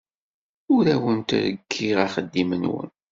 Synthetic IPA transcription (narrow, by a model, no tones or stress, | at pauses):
ʊɾæwənt̪ɾə̰kʰːiʁaχəd̪ːimənwə̰n